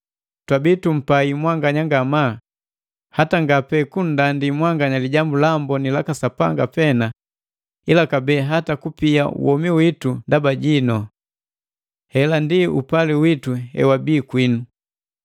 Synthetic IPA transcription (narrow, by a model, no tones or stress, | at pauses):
twabitum̩paimwaŋɡaɲaŋɡama | hataŋɡapɛkun̩dandimwaŋɡaɲaliɟambulambɔnilakasapa̰ŋɡapɛna | ilakabɛːɦatakupia̰ṵwɔmiwitundabaɟinɔ | hɛlandiṵpaliwituɛ̰wabiːkwinu